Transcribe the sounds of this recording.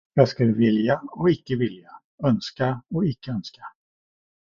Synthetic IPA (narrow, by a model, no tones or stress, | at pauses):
jɑːɡskɵlːəvɪljaɔɪkːəvɪlja | œnskaɔɪkːəœnskḁ